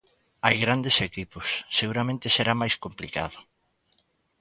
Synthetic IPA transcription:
ajɣɾand̪esekipʊsːeɣuɾamẽnt̪ɪseɾamajskomplika̰ðʊ

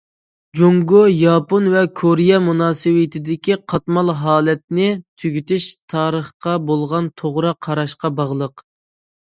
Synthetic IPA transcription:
d͡ʒoŋɡojɑːponvɛkʰoɾijɛmunɑːsɨwɪt̪ʰɪd̪ɪkʲiqʰɑt̪mɑlˠɦɑːlˠɛt̪̚nɪt̪ʰyɡʲyt̪yʃt̪ʰɑːɾəχqɑbolˠʁɑnt̪ʰoʁɾɑqʰːɑɾɑʃqɑbɑʁlˠəq

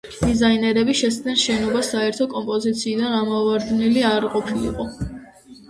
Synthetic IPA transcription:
d̪̥izainɛɾɛbiʃɛsnɛnʃɛnɔbasːaɛɾt̪ʰɔkʼɔmpʼɔzit̪sʰiːd̪anamɔvaɾd̪niliaɾqʼɔpʰilḭqʼɔ

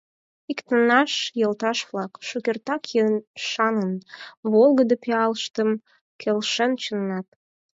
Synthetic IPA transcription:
ikt̪ənːɑʃjəlt̪ɑʃβlɑkʃukert̪ɑkjənʃɑnənβolˠɣəd̪əpeɑləʃt̪əm | kʰelʃənt͡ɕənːɑt̪̚

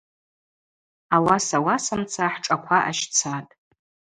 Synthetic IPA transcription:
awasawasamt͡sʰaħʈ͡ʂʼakʷʰaʔa̰ʃt͡sʰatʼ

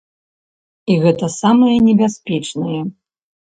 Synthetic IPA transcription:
iɣɛt̪ɐsamɨjɐnʲɛbʲasʲpʲɛt͡ʂnɐjɛ

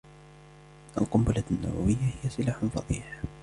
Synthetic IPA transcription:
ʔa̰lqʊmbʊlanːa̰wa̰wɪjːahɪjːasˤɨlaːħʊnfɑðˤḭːħ

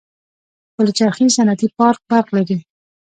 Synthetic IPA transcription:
pəlt͡ʃaɾxisanat̪ipɑɾk̚baɾqlaɾi

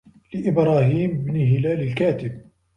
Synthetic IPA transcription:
lɪʔɪbɾˤɑːɦiːmɪbniɦɪlaːlɪlkaːt̪ɪb̚

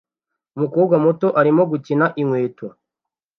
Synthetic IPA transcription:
umukuːbɡamuto̞ʔaɾimo̞ɡucinaʔiŋweːtwa

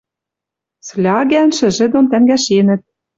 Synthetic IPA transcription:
slʲɑɡænʃɘ̆ʒɘ̆d̪ont̪æŋɡæʃenɘ̆t̪̚

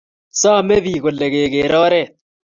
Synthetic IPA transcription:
saːmebiːɡoleɡeːɡeːɾaːɾe

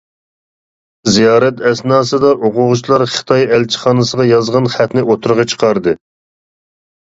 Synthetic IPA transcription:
zijɑːɾɛt̪ɛsnɑːsɨd̪ɑʔoqʰʊʁʊt͡ʃʰlˠɑɾχə̥t̪ʰɑjɛlt͡ʃʰi̥χɑːnɨsəʁɑjɑzʁɑnχæt̪nɪʔot̪ʰuɾʁɑt͡ʃʰə̥qʰɑɾd̪ɨ

